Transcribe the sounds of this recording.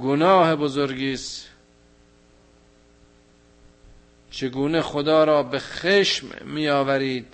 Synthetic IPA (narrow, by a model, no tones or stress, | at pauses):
ɡonɒːhebozoɾɡiːs | t͡ʃʰeɡuːneχod̪ɒːɾɒːbexeːʃmːiːɒːvæɾiːd̪̥̚